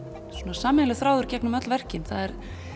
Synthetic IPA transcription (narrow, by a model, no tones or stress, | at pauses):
sunasaːmɪnalɛɣθɾaːwðʏɾ̥cɛknʏmœt̪lvɛr̥cɪnθaðɛɾ̥